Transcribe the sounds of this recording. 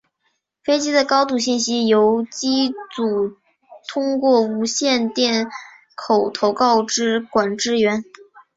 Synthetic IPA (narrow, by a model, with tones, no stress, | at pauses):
fe˥ɪt͡ɕi˥d̪ə˨kɑ˥ʊt̪̬u˥˩ɕi˥˩nɕi˥jo˧˥ʊt͡ɕi˥t͡su˨˩ | t̪ʰʊ˥ŋkwɔ˥˩u˧˥ɕjɛ˥˧nt̪jɛ˥˩n | kʰo˨˩ʊt̪ʰo˧˥ʊkɑ˥˧ʊʈ͡ʂɻ̩˥kwa˨˩nʈ͡ʂɻ̩˥˧ɥɛ˧˥n